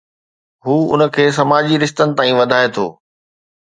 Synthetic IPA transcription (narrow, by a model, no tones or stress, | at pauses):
ɦuːʊ̰nə̆kʰeːsɐmaːd͡ʑiɾɪʃt̪ənɪ̆t̪aːĩʋɐd̪ʱaːet̪ʰo̰ː